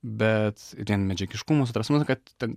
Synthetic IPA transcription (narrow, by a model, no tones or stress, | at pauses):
bʲɛt̪t̪ʲiɛnmʲɛd͡ʒʲɛkʲɪʃkʊmost̪ɾɐsmʊskɐt̪t̪ʲːɛn